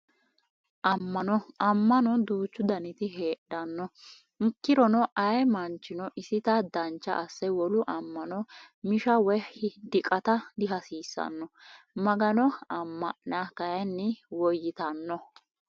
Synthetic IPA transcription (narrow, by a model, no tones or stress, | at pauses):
ʔɐmːɐnɔʔɐmːɐnɔd̪uːt͡ʃːʊd̪ɐnɪt̪ɪɦeːɗɐnːɔ | ŋkːɪɾɔnɔʔɐjmɐnt͡ʃːɪnɔʔɪsɪt̪ɐd̪ɐnt͡ʃːɐʔɐsːɛwɔlʊʔɐmːɐnɔmɪʃɐwɛhɪd̪ɪkʼɐt̪ɐd̪ɪɦɐsiːsːɐ̰nːɔ | mɐɡɐnɔɐmːɐʔnakɐjɛnːɪwɔjːɪt̪ɐnːɔ